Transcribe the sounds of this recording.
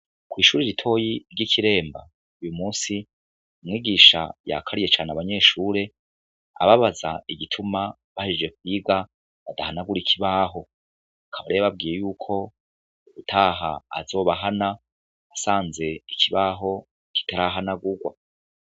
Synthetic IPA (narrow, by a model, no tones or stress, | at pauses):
kwiːʃuːɾiɾitʰo̞ːjiɾɟikʰiɾe̞ːmba̰ | ujumuːnsi | umŋiːɡiʃa̰ja̰kʰaɾije̞t͡ʃaːneaβaɲe̞ːʃuːɾe̞ | a̰βaβaza̰iɡitʰuma | βahid͡ʒid͡ʒe̞kwiːɡa | βadahanaɡuɾikʰiβaːɦo̞ | akʰaβaɾeaβab̚ɡiːje̞juːkʰo̞ | uβutʰaːɦa̰ːzo̞ːβaɦana | asaːnze̞ikʰiβaːɦo̞ | ki̥taɾaɦanaɡuɡwa